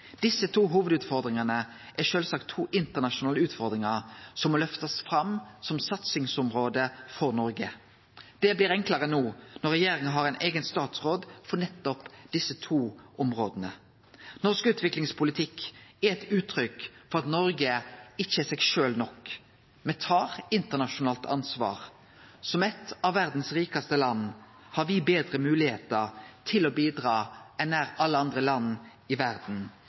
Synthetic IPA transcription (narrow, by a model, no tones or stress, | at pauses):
d̪̥ɪsət̪ʰuːɦuːʋəd̪ʉːt̪fɔʁd̪ʁɪŋɑnə | ʔæʂøːlsɑkt̪ʰːuːʔɪnt̪əʁnɑʃʊnɑːləʉːt̪fɔɾd̪ɾɪŋɑʁsɔmːɔlœft̪ɑsfɾɑmsɔmsɑt̪sɪŋsɔmʁoːd̪əfɔʁnɔɾɡə | d̪̥ɛbliːɾɛŋkləʁənuːnɔʁɛjeːɾɪŋəɦɑʁɛɪnʔeːɡənst̪ɑːt̪sʁoːd̪fɔʁnɛt̪ːɔpd̪ɪsːət̪ʰuːʔɔmʁoːd̪ənə | nɔʁskəʉːt̪ʋɪklɪŋspʰʊlɪt̪ʰɪkːæɛt̪ʉːt̪ʰɾʏkfɔʁɑt̪nɔɾɡəɪçːəɛsɛɡʃøːlnɔk | mɛt̪ʰɑːʁɪnt̪əʁnɑʃʊnɑːlt̪ʰɑ̰nsʋɑ̰ːʁ | sɔmɛt̪ɑʋːæʁd̪n̩sʁiːkɑst̪əlɑnː | hɑɾʋɪbeːd̪ʁəmʉːlɪhḛːt̪əʁt̪ʰɪloːbiːd̪ʁɑːɛnæːʁɑlːəɑnd̪ʁəlɑnː | ɪʋæʁd̪n̩